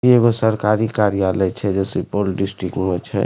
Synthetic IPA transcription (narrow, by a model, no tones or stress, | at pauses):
ieɡosəɾkaːɾikaːɾijaːlət͡ʃʰɛd͡ʒɛsipolɖɪsʈɾɪkʈmet͡ʃʰɛ̰